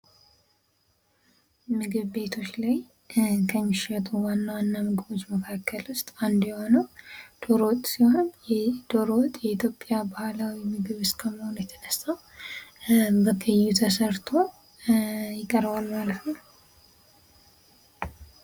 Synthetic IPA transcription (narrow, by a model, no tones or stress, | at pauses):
mɨɡɨβbe̞t̪ʰo̞t͡ʃːlaj | kʰəɲːɪʃɛt̪ʼuwanːawanːamɨɡɨβo̞t͡ʃːməkʰakʰːəlʊst̪ʼand̪jɛho̞nəwd̪̥o̞ɾowt̪ʼsiho̞njɛd̪̥o̞ɾowt̪ʼjɛit̪ʰjo̞pʼjabahlawimɨɡɨβɨskʰəməho̞nujɛt̪ʰənəsaw | bəɡəjːut̪ʰəsəɾt̪ʰo̞ | jɪkʼːəɾbalmalət̪nəw